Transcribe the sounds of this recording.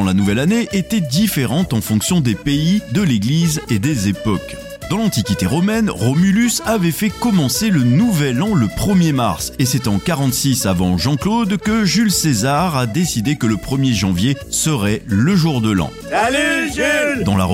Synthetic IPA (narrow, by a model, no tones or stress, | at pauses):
lanuvɛlaneʔet̪ɛd̪ifeʁɑ̃t̪ɑ̃fɔ̃ksjɔ̃d̪epeid̪əleɡlized̪ezepɔk | d̪ɑ̃lɑ̃t̪ikʲit̪eʁɔmɛnʁɔmylysavɛfɛkɔmɑ̃selənuvɛlɑ̃ləpχəmjema̰ʁsesɛt̪ɑ̃kaʁɑ̃t̪sisavɑ̃ʒɑ̃klod̪kəʒylsezaʁad̪esid̪ekələpχəmjeʒɑ̃vjesəʁɛləʒuʁd̪əlɑ̰̃ | d̪ɑ̃la̰ʁ